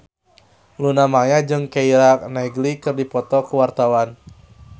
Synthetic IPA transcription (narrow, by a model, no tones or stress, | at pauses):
lunamaɲad͡ʒɨŋkeiɾaknajɡlikɨrdipɔt̪ɔkuwart̪awan